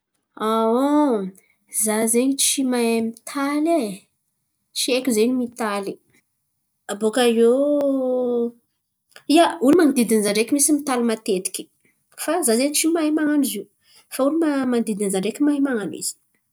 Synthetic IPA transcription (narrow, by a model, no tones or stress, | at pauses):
awo | zazeɲit͡ʃimajemit̪ʰale | t͡ʃiekʲuzeɲimit̪ali | abokaje | iaulumanid̪id̪inzaɳɖ͡ʐekʲimisimit̪alimat̪et̪i̥kʲi̥ | fazazeɲt͡ʃimaemaŋanuzi | faulimamand̪id̪inizaɳɖ͡ʐekʲimaemaŋanḭz̥i̥